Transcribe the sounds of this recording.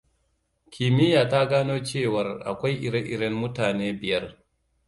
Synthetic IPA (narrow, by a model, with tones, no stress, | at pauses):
kʲʰi˨mɪ˦jaː˨ta˦ɡaː˦noː˦t͡ʃeː˦˨wɐ˨rʔa̰˨kʷa˦jʔɪ˨ɽe˦ʔɪ˨ɾɛ˦nmʊ˦taː˨neː˦bɪ˨jɐ˦r